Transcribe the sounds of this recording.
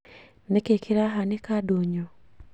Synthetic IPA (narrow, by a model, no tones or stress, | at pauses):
nekekʰiɾaɦanikadoɲo